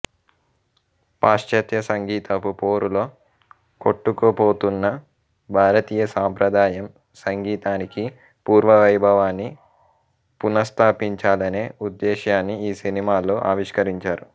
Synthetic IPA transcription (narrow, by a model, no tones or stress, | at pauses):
paːʃt͡ʃɐt̪jɐsɐŋɡiːt̪ɐpupo̞ːɾulo̞ː | koʈːukopo̞ːt̪unːɐ | bʱaːɾɐt̪iːjɐsaːmpɾɐd̪aːjɐm | sɐŋɡiːt̪aːniki | puːɾʋɐʋɐjbʱɐʋaːnːi | punɐst̪ʰaːpiɲt͡ʃaːlɐne̞ːud̪ːɛːʃjaːnːiiːsinimaːloːʔaːʋiʂkɐɾiɲt͡ʃaːɾu